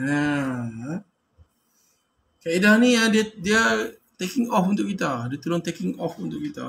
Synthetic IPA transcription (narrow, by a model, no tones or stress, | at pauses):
ja | kaidahnĩadiədiə | t̪ekĩŋɔfunt̪ʊkːit̪adiət̪ulʊ̃nt̪ɛkĩŋɔfunt̪ʊk̚it̪a̰